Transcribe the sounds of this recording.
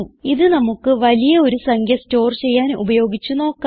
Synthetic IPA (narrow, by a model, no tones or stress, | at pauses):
uiðɨnɐmukːɨʋɐlijɐo̞ɾusɐŋɡʱjɐsto̞ːrt͡ɕe̞jːaːnṵbɐjo̞ːɡit͡ɕːuno̞ːkːa